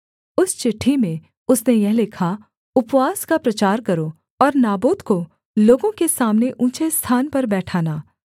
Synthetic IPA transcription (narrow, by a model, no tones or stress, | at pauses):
ʊst͡ʃɪʈʰːimẽ | ʊsnejɛɦlɪkʰa | ʊpwaːskapɾɐt͡ʃaːɾkɐɾo | ɔːɾnaːbuːt̪ko | loːɡõkesaːmneʔũːt͡ʃest̪ʰaːnpɐɾbɛːʈʰaːnaː